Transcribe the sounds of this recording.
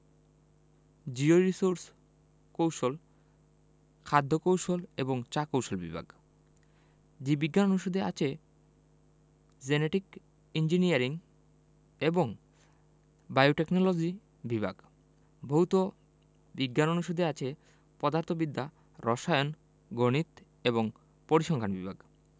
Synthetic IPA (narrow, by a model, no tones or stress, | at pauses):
d͡ʑioɾisoɾs | kowʃol | kʰad̪ʱːokowʃoleboŋt͡ɕakowʃolbḭbʱa̰ɡ | d͡ʑibiɡːanonuʃod̪ʱea̰t͡ɕʰe | d͡ʑeneʈik | ind͡ʑiniaɾiŋ | eboŋ | bajoʈeknolod͡ʑi | bibʱa̰ɡ | bʱoɦut̪o | biɡːanonuʃod̪ʱeat͡ɕʰe | pɔd̪aɾt̪ʰobid̪ʱːa | ɾʔɔʃajon | ɡoñit̪ | eboŋ | poɾiʃɔŋkʰanbḭbʱa̰ɡ